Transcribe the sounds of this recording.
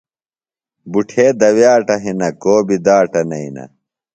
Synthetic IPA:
buʈʰeːd̪ɐwjaːʈɐɦinɐkoːbid̪aːʈɐnɐinɐ̰

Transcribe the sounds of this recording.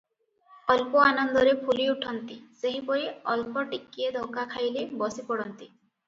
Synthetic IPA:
ɔlpɔanɔnd̪ɔɾepʰuliuʈʰɔnt̪iseɦipɔɾiɔlpɔʈikːied̪ʱɔkakʰajlebɔsipɔɽɔnt̪i

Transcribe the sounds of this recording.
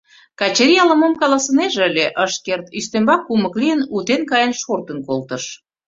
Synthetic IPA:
kɑt͡ɕeɾʲijɑlə̆momkɑlɑsəneʒĕəlʲeʔəʃkert̪yst̪embɑkːuməklijənut̪enkɑjənʃort̪ə̆nkolt̪ə̆ʃ

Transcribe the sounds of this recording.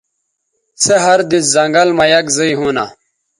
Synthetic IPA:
seɦɐɾd̪iszɐŋɡɐlmajɐkzɐiɦuːna̰ː

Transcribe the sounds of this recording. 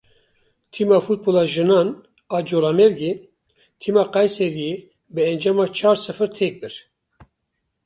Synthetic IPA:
t̪ʰiːmɑːfut̪̚boːlɑːʒɨnɑːn | ɑːd͡ʒoːlɑːmɛɾɡe | t̪ʰiːmɑːqɑjsɛɾije | bɨɛnd͡ʒɑːmɑːt͡ʃʰɑːɾsɨfɨɾt̪ʰeːk̚bɨɾ

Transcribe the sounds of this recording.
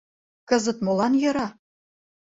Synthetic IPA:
kɤ̆zə̆t̪molɑnjɤ̆ɾɑ

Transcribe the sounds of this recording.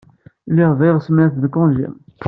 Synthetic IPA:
liʁvæjʁsmæθðkɔ̃ʒḭm

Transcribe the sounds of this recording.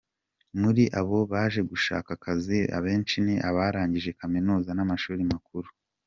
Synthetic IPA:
muɾiʔaβo̞βaːʒe̞ɡuʃa̰ːkakʰazia̰βe̞ːnt͡ʃiniʔaβaːɾaːɲɟiʒe̞kaminuːzanamaʃuːɾimakuɾu

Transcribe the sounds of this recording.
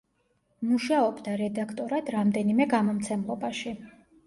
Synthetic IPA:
muʃaɔbd̪aɾɛd̪akʰt̪ʼɔɾad̪ɾamd̪ɛnimɛɡamɔmt̪sʰɛmlˠɔbaʃi

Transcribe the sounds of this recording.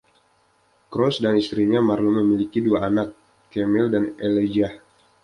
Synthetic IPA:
kɾɔsdanist̪ɾiɲamarluməmilikiduaːnakː | emɛldaneled͡ʒah

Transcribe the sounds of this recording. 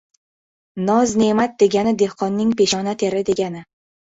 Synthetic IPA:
nɒzne̞mat̪̚d̪e̞ɡʲanɪd̪e̞hqʰɒnːɪŋpe̞ʃɒnat̪ʰe̞ɾɪd̪e̞ɡʲanɪ

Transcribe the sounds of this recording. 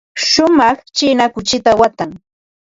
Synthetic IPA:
ʃʊmɑχt͡ʃɪnakʊt͡ʃɪt̪awat̪aŋ

